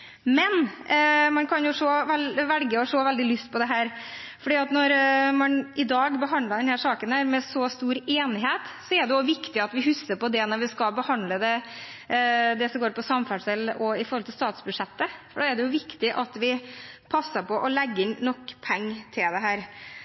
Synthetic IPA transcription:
mɛn | mɑnkʰɑnjʊʂoːʋɛlʋɛlɡəɔʂoːʋɛld̪ɪlʏst̪̚pʰɔd̪ɛɦæːɾfɔɖiːɑt̪nɔɾmɑnɪd̪ɑːɡbəɦɑnd̪ləd̪ɛnhæːʂɑːkənhæːɾmɛsɔːst̪uːɾeːnɪɦeːt̪sɔɛɖɛjʊʋɪkt̪ɪɑt̪ʋɪɦʉsːəɾpɔd̪ɛnɔɾʋɪskɑlbəhɑnd̪ləd̪ɛ | d̪ɛsɔmɡoːɾpʰɔsɑmfæʂɛlʔɔɪfɔɾɔlt̪ɪlst̪ɑːt̪sbʉd̪ʂɛt̪ːəfɔɖɑːɛɖɛjʊʋɪkt̪ɪʔɑt̪ʋɪpʰɑsːəpʰɔʔɔlɛɡːənɔkːpʰɛŋːt̪ʰɪld̪ɛɦæːɾ

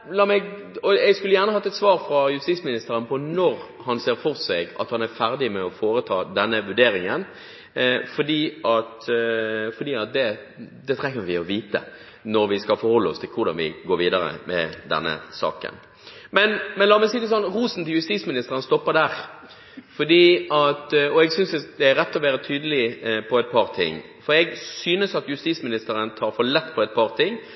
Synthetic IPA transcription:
lɑːmɛɡ | ɔɛɡskʉlːəjæːʁnəhɑt̪ːəɛt̪sʋɑːɾfɾɑjʉst̪iːsmɪnɪst̪əɾənpʰɔnɔɾ | hɑnseːɾfɔʁsɛɡɑ̰t̪hɑnæɾfæɾd̪ɪmɛɔfoːɾət̪ʰɑːd̪ɛnːəʋʉɖeːɾɪŋən | fɔd̪iːʔɑt̪ | fɔd̪iːɑt̪̚d̪ɛ | d̪ɛt̪ʰɾɛŋːəɾʋɪɔʋiːt̪ə̰ | nɔɾʋɪskɑlfɔɾhɔlːəɔst̪ʰɪlkʰʊɾd̪ɑ̰nʋɪ̰ɡoːɾʋiːd̪ɑɾə̰mɛ̰d̪ɛ̰nːə̰sɑ̰ːkə̰n | mɛnmɛnlɑːmɛsid̪əsɔnʁuːsn̩t̪ʰɪljʉst̪iːsmɪnɪst̪əɾənəst̪ɔpːəd̪æɾ | fɔd̪iːɑt̪ɔɛɡsʏnsd̪ɛæɾːɛt̪ːɔʋæːɾət̪ʰyːd̪əlɪpʰɔɛt̪̚pʰɑɾt̪ʰɪ̰ŋː | fɔɾɛɡsyːnəsɑt̪jʉst̪iːsmɪnɪst̪əɾənt̪ʰɑːɾfɔlɛt̪ːpʰɔɛɪt̪̚pʰɑʁt̪ʰɪŋː

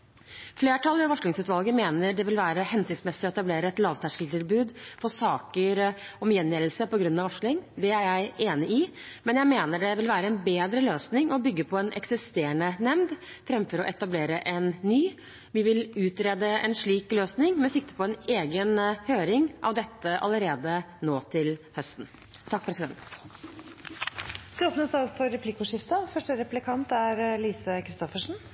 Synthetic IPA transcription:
fleːʈʰɑlːˠʋəʋɑʂɭɪŋsʉːt̪ʋɑlɡəmeːnəɖɛʋɪlʋæːɾəhɛnsɪkt̪smɛsːɪɔɛt̪ɑbleːɾəɛt̪lɑːʋt̪ʰæʂkəlt̪ɪlbʉːd̪fɔsɑːkəɾɔmjɛnjɛːɾl̩səpɔɡɾʉnːɑʋɑʂlɪŋd̪ɛæɾjæɪeːnɪʔɪmɛnjæɪmeːnəɖɛʋɪlʋæːɾəɛnbeːd̪ɾəløːsnɪŋɔbʏɡːəpʰɔɛnʔɛ̰ksɪst̪eːəɳənɛmnd̪fɾɛmfɔɾɔ̰ʔɛt̪ɑbleːɾəʔɛnːyː | ʋɪʋɪlʉːt̪ɾeːd̪əɛ̰nʂɭiːkløːsnɪŋmɛsɪk̚t̪ə̥pʰɔɛneːɡənhøːɾɪŋʔɑ̰ʋd̪ɛt̪ːəʔɑ̰ləɾeːd̪ə | noːt̪ʰɪlhœst̪n̩ | t̪ʰɑk̚ːpʰɾɛsɪd̪ɛ̰nt̪ | st̪oːpnəsɑlfɔɾːɛpʰlɪkːuʂɪft̪əfœʂʈəɾɛplɪkʰɑnt̪æɾliːsəkʰɾɪst̪ɔfəʂɳn̩

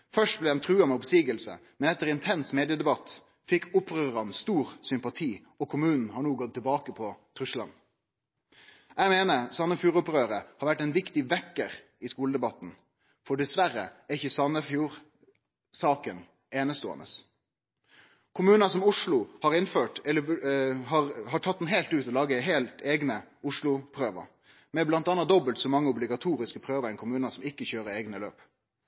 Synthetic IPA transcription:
fœʂt̚blɛd̪ɛmt̪ʰʁʉːɑmɛɔpsiːɡəlsə̰mɛnɛt̪ːəɾɪnt̪ʰɛnsmeːd̪ɪəd̪ɛbɑt̪ː | fɪkʰːʊpʁøːɾɑnst̪uːʁsʏmpɑt̪ʰiː | ɔkʰʊmʉːnn̩hɑɳuːɡɔt̪ʰːɪlbɑːkəpʰɔt̪ʰɾʉslɑ̰n | æmeːnəsɑnːəfjuːʁʊpʁøːɾəhɑɾʋæʈːɛnʋɪkt̪ɪʋɛkːəʁ | ɪskuːləd̪ɛbɑt̪n̩ | fɔɖɛsʋæɾə̰æɪçːəsɑnːəfjuːɾ | sɑːkən | eːnəst̪oːə̰nə̰s | kʰʊmʉːnɑsɔmʊʂlʊhɑɾɪnføːʈɛləɦɑʁhɑʈʰɑt̪̚d̪n̩ɦeɪlt̪ʉːt̪ɔlɑːɡəɦeːlt̪eːɡnəʊʂlʊpʰɾøːʋə̰ɾ | mɛblɑnt̪ɑːnɑd̪ɔbəlt̪sɔmɑŋːəʊblɪɡɑt̪ʰuːɾɪskəpʰɾøːʋəɾɛɪnkʰʊmʉːnɑsɔmɪkːəçøːɾəeːɡnəløːp

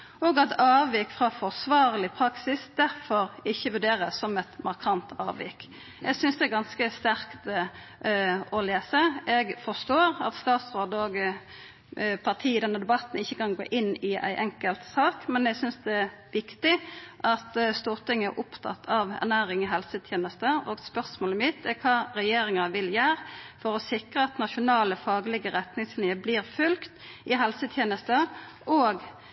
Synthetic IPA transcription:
ɔɡɑt̪ɑːʋiːkfʁɑfɔʁsʋɑːʁlɪpʰɾɑksɪsd̪̥æɾfɔɾɪçːəʋʉɾɖeːɾəsːɔmɛt̪mɑʁkʰɑnt̪ɑ̰ːʋɪ̰ːk | ʔɛɡsʏnsd̪ɛæɾɡɑnskəst̪æɾkt̪ | ɔleːsəɛɡfɔst̪oːɾɑ̰t̪st̪ɑːt̪sʁoːd̪əoɡ | pʰɑʁt̪ʰiːɪd̪ɛnːəd̪ɛbɑt̪n̩ɪçːəkɑnɡo̰ːʔɪnːɪæ̰ɪʔɛŋkəlt̪sɑːkmɛnɛɡsʏnsd̪ɛʋɪkt̪ɪʔɑt̪st̪uːʁt̪ɪŋːənæ̰ɾʔʊpt̪ʰɑ̰t̪ʰːɑʋæ̰ʁnæːɾɪŋɪɦɛlsət̪ʰjeːnəst̪əɔɡspœʁsmoːləmɪt̪ːækʰɑːɾɛjeːɾɪŋɑʋɪljæːɾfɔɾɔsɪkʁəɑt̪nɑʃʊnɑːləfɑːɡlɪɡəɾɛt̪nɪŋslɪəbliːɾfʉlkt̪ʔɪɦɛlsət̪ʰjeːnəst̪ə | ʔoːɡ

